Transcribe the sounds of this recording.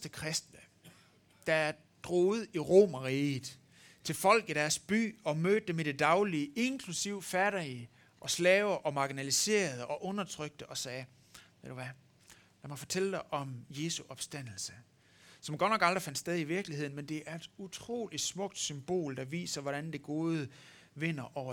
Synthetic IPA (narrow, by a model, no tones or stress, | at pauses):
sd̥əkʰʁɛsd̥nə | d̥ɑ̈æɐ | d̥ʁɔːð̩ˠiʁo̰ːmɐʁiːð̩ˠ | t͡sʰe̝lfɒ̽l̰ɡ̥iɾ̥æɐsb̥y̰ːɒ̽møːd̥̚d̥emeɾ̥e̝d̥ɑ̈ʊliəe̝nkʰlusiʊ̰fæɾ̥ɐi | ʔɒ̽slɛːʊʔɒ̽mɑ̈ɡ̥inælise̝̰ːɐð̞̩ˠɒ̽ʔɔ̽nɐt͡sʰʁœɡ̥̚d̥əʔɒ̽sɛː | ʋed̥uʋæ | jɑmɒfɒ̽t͡sʰeləd̥ɑ̈ɪʔɒ̽mje̝ːsuʔɒ̽b̥sd̥æn̰l̩sə | sɒ̽mɡ̥ɒ̥nɒ̽ɡ̥ɑ̈ld̥ʁifænd̥sd̥eð̞ˠiʋiɐɡ̥lihe̝ð̰ˠn̩mend̥e̝ʔæɐe̝d̥ut͡sʰʁo̝̰ːli̥smɔ̽ɡ̥̚d̥symb̥o̝̰ːld̥ɑ̈ʋḭːsɐʋɒɾ̥ænd̥eɡ̥o̝ːðˠə | ʋe̝n̰ɐʔɒʊ